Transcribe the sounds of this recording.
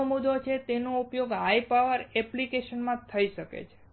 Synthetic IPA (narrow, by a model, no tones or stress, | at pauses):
omud̪ot͡ʃʰet̪enoupjoɡajpaʋəɾɛplikeʃənmãt̪ʰəiʃəkḛt͡ʃʰe̥